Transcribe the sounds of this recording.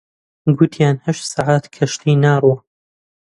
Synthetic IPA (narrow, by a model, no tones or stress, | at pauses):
ɡʊt̪ʰjaːnhɐʃt̪saʕaːt̪kʰɐʃt̪ʰiːnaːrˤwɐ